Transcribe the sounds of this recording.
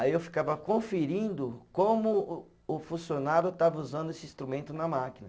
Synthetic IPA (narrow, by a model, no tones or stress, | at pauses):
aiewfi̥kavɐkõfeɾĩnd̪ʊkõmʊ | ʊfũsionaɾjʊt̪avɐuzɐ̃nd̪ʊesɪĩst̪ɾumẽnt̪ʊnɐmakinɐ